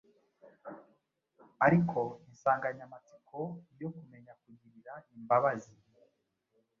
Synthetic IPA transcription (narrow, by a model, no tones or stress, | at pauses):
aɾikʰo̞insaːŋɡaɲamat͡si̥kʰo̞ijo̞kume̞ɲakuɟiɾiɾaimbaβazi